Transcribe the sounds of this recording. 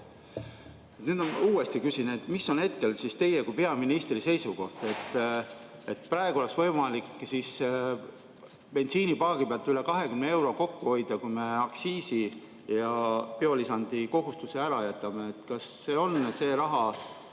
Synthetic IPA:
et̪nyːd̪onmɑ̰uːe̞st̪ikysinet̪ːmisːo̞ne̞t̪̚ke̞lsist̪e̞je̞kujpe̞ɑminist̪rise̞jsuko̞ht̪e̞t̪ːˑ | et̪pɾɑːe̞ɡ̥uo̞le̞ksvɤ̞jmɑlikːsis | pe̞nt̪siːnipɑːɡ̥ipeɑlt̪yle̞kɑɦe̞kymnee̞wɾo̞ko̞kːuho̞jd̪̥ɑkujme̞ɑksiːsi | jɑpeo̞lisɑnd̪̥iko̞ɦust̪useæɾɑjæt̪ːˑɑmeet̪kɑsːe̞ːo̞nse̞ːɾɑɦɑ

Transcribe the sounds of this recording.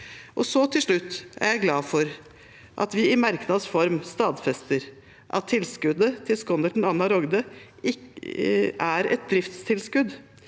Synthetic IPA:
ʔɔsɔt̪ʰɪlʂɭʉt̪ːæ̰ɾjæɪɡlɑːfɔɾ | ʔɑ̰t̪ʋɪɪmɑɾknɑd̪sfɔɾmst̪ɑːd̪fɛst̪əɾ | ʔɑ̰t̪ʰːɪlskʉd̪ət̪ʰɪlskɔnəʈn̩ɑnːɑɾɔɡd̪əʔɪk | æɾɛ̰t̪̚d̪ɾɪft̪st̪ʰɪlskʉd̪

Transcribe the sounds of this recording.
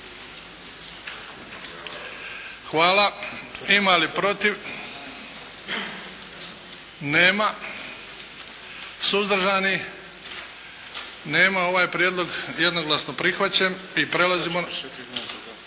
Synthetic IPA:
xʋaːlaimalipɾo̞t̪iʋ | neːma | suzd̪ɾ̩ʒani | ne̞ːmao̞ʋaːjpɾjed̪lˠo̞ɡje̞d̪no̞ɡlasnopɾixʋat͡ɕam | ipɾe̞lazimo

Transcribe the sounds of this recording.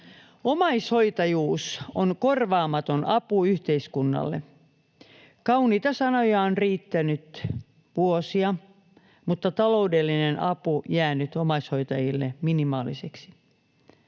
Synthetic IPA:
omɑishoit̪ɑjuːsonkorʋɑːmɑt̪onʔɑpuyht̪eiskunːɑ̰lːḛ | kɑuniːt̪ɑsɑnojɑonriːt̪ːænyt̪ | ʋuosiɑ | mut̪ːɑt̪ɑloudelːinenʔɑpujæːnyt̪omɑishoit̪ɑjilːeminimɑːliseksi̥

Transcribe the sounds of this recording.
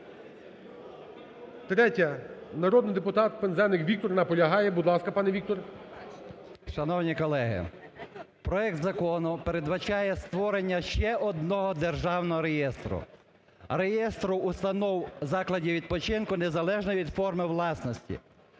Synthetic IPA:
t̪ɾɛtʲɐnɐɾɔd̪nɪjd̪epʊt̪ɑt̪̚penzɛnɪkʋʲik̚t̪ɔrnɐpɔlʲɐɦɑjɛbʊd̪lˠɑskɐpɑnɛʋʲik̚t̪ɔr | ʃɐnɔwnʲikɔlˠɛɦɪ̰ | pɾɔɛk̚t̪zɐkɔnʊpeɾed̪ʋɐt͡ʃɑjɛst̪ʋɔɾenʲːɐʃt͡ʃɛʔɔd̪̚nɔɦɔd̪erʒɑwnɔɦɔɾejɛst̪ɾʊ̰ | rejɛst̪ɾʊːst̪ɐnɔwzɑklˠɐdʲiʋʲid̪̚pɔt͡ʃɪnkʊnezɐlˠɛʒnɐʋʲid̪fɔrmɪwlˠɑsnɔsʲtʲḭ

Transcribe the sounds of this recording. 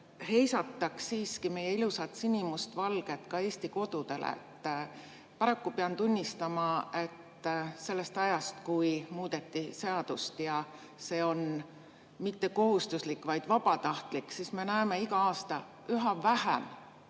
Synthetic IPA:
he̞jsɑt̪ˑːɑksiːskime̞je̞ilusɑt̪sinʲimust̪vɑlɡ̥e̞t̪ˑkɑe̞ːst̪iko̞d̪̥ud̪̥e̞lḛt̪ː | pɑɾɑkːupeɑnt̪unʲːist̪ɑmɑe̞t̪ːˑ | se̞lːe̞st̪ɑjɑst̪kujmuːd̪̥e̞t̪ːise̞ɑd̪̥ust̪jɑ | se̞ːo̞n | mit̪ːe̞ko̞ɦust̪uslikːˑvɑjd̪̥vɑbɑt̪ɑht̪likːsisme̞næeme̞ikɑɑːst̪ɑ | yɦɑvæhḛm

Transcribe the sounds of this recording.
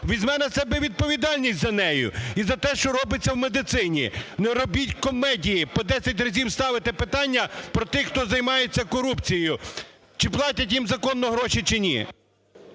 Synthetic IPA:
ʋʲizʲmɛnɐsɛbɛʋʲid̪̚pɔʋʲid̪ɑlʲnʲisʲtʲzɐnɛjʊ̰izɐt̪ɛʃt͡ʃɔɾɔbɪt͡sʲːɐwmed̪ɪt̪sɪnʲḭnɛɾɔbʲitʲkɔmɛdʲijipɔd̪ɛsʲɐtʲrɐzʲiwst̪ɑʋɪt̪ɪpɪt̪ɑnʲːɐpɾɔt̪ɪxxt̪ɔzɐjmɑjet͡sʲːɐkɔɾupt͡sʲijjʊ | t͡ʃɪplˠɑtʲɐtʲjimzɐkɔnːɔɦɾɔʃit͡ʃɪnʲḭ

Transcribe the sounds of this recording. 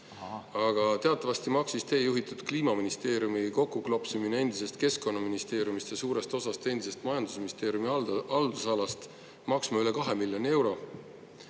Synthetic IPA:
ɑɡ̥ɑt̪e̞ɑt̪ˑːɑvɑst̪imɑksist̪e̞ːjuɦit̪ˑud̪̥kliːmɑminist̪e̞ːɾjumiko̞kːˑuklopsuminee̞nd̪̥ise̞st̪̚ke̞sko̞nːɑminist̪e̞ːɾjumist̪jɑsuːɾe̞st̪o̞sɑst̪e̞nd̪̥ise̞st̪mɑjɑnd̪usminist̪e̞ːɾjumiɑld̪̥usɑlɑst̪ | mɑksmɑylekɑɦe̞milʲjo̞nie̞wɾo̞

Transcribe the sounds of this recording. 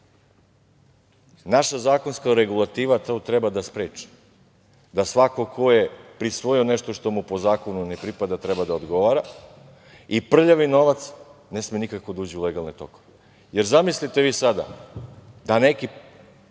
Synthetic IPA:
naʃazaːko̞nskaɾeɡulˠat̪iːʋat̪t̪ɾebad̪aspɾeːt͡ʃi̥ | d̪asʋakokʰo̞jepɾisʋo̞jio̞neʃt̪oʃt̪o̞mupo̞zaːko̞nunepɾipad̪at̪ɾɛbad̪aod̪ɡo̞ʋaɾa | ipr̩ʎaʋino̞ʋat̪snesmenikakod̪uːd͡ʑiuleɡalˠnet̪o̞̰koe | jeɾzamislit̪e̞ʋiːsad̪a̰ | d̪aneki

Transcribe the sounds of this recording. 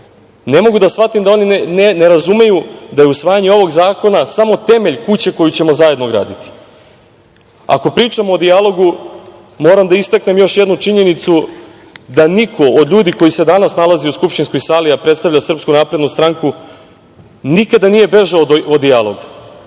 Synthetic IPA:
ne̞mo̞ɡud̪asʋat̪imd̪ao̞nineneɾazume̞jud̪aje̞usʋaːjaɲeo̞ʋo̞ɡzaːko̞nasamo̞t̪e̞me̞ʎkut͡ɕe̞ko̞jut͡ɕe̞mozajed̪noɡɾa̰ːd̪it̪i̥ | a̰ko̞pɾiːt͡ʂamoːd̪ialo̞ɡu | mo̞ːɾamd̪aist̪akne̞mjo̞ʃjed̪nut͡ʂiɲe̞nit̪su | d̪anikʰo̞od̪ʎuːd̪ikojise̞d̪anasnalaziuskupʃt̪inskojsaliapɾe̞t̪st̪avʎʲasr̩pskunaːpɾed̪nust̪ɾaŋku | nikad̪anije̞be̞ʒaood̪ialˠo̞ɡ

